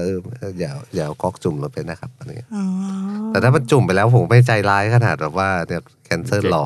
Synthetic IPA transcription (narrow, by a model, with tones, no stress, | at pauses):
ʔɤː˧mʔaː˧jaː˨˩˦jaː˨˩˦kɔː˦˥˩k̚t͡ɕu˨˩mloː˧˦pa˧˩jna˦˥kʰa˦˥p̚ʔa˧˩a˧ɲḭ˦˥ɐ | t̪ɛː˨˩t̪ʰaː˥˩ma˧nt͡ɕu˨˩mpa˧˨jlɛː˦˥wpʰoː˨˦ma˥˩jt͡ɕa˧jlaː˦˥jkʰa˧naː˨˩t̪̚bɛː˨˩p̚waː˧˥˩ni˧˩kkʰɛ˧˥nsɤː˧˥˩nlɔː˨˩